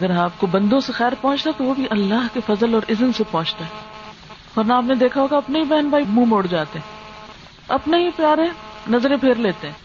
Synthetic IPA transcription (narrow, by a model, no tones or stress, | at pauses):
ɐɡəɾaːp̚kobɐ̃nd̪õsexɛːɾpɔ̃ːt͡ʃt̪at̪oʋobʱiʔɐlːaːɦkefɐzəlɔːɾʔɪzənsepɔ̃ːt͡ʃt̪aɦɛ | ɔːɾnaaːpned̪eːkʰaɦoːɡaɐpneibɛɦənbʱaːimũmoːɽd͡ʒaːt̪eɦɛ̃ː | ɐ̰pneɦipjaːɾenɐzɾẽpʰeːɾleːt̪eɦɛ̃ː